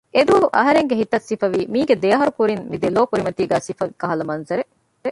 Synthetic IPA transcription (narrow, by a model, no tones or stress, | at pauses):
ʔed̪uʋɐɦuʔɐɦɐɾeŋɡeɦit̪ːɐsifɐʋiːmiːɡed̪ejɐɦɐɾukuɾinmid̪eloːkuɾimɐt̪iːɡæːsifɐikɐɦɐlɐmɐnzɐɾe | e